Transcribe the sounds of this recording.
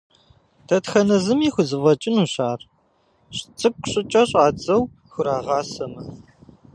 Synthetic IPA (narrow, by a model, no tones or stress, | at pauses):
tʰɐtxɐnɐzɨmiːxʷʊzɨvɐt͡ʃʼɪnuːɕaːr | ɕt͡sʼɨkʷʼɕʼɪt͡ʃʼɐɕʼaːt͡sʼɐw | xʷʊɾaːʁɑːsɐmɐ